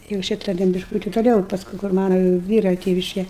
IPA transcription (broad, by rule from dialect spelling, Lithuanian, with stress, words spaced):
jɛʊ ˈʃʲiːtɐ tʲɛn bʲɪʃˈkuːtʲɪ toːˈlʲɛʊ ɪ pɐsˈkʊɪ kʊr ˈmɑːnɐ ˈʋʲiːrɐ ˈtʲeːʋʲɪʃʲkʲɛ